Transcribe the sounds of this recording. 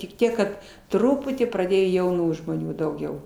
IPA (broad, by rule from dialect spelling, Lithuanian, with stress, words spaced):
tʲɪk ˈtʲiɛk kɐt ˈtrʊpʊtʲiː prɐˈdʲeːjoː jɛʊˈnuː ʒmoːˈnʲuː dɐʊˈɡʲɛʊ